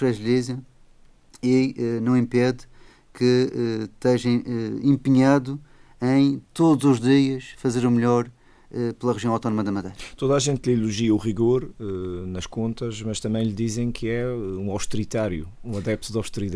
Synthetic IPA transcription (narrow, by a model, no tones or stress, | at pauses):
ɾɐʒlizjɐ | iɛnɐ̃w̃ĩmpɛð | kɨɛt̪ɛʒɐ̃j̃ɛẽmpɨɲaðu | ɐ̃j̃t̪od̪uzuʒðiɐʃfɐzeɾumʎɔɾ | ɛplˠɐʁɨʒiɐ̃w̃awt̪ɔnumɐðɐmɐðɐjt̪oðaʒẽnt̪ʎilˠuʒiɐuʁiɣoɾɛnɐʃkõnt̪ɐʃmɐʃt̪ɐ̃mɐ̃j̃ʎd̪izẽj̃kʰɨɛɛũawʃt̪ɨɾit̪aɾjṵũɐðɛp̚t̪uðawʃt̪ɨɾiða